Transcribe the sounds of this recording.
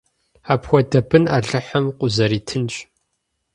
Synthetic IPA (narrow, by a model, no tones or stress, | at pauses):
aːpxʷɔdɐbɨnaɮɨħɐmqʷʊzɐɾiːtʰɨnɕʼ